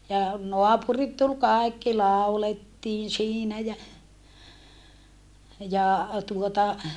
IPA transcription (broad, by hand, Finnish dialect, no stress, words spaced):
jɑ noɑpurit tul kɑˑi̯kːi lɑˑuletːiːn siːnæ jæ jɑ tuotɑ